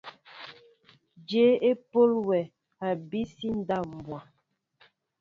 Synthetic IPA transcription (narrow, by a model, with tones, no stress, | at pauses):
d͡ʒe˨˦e˦po˦lwɛ˨ | a˨bi˦si˦n̩˦da˦˨m̩˨bwa˨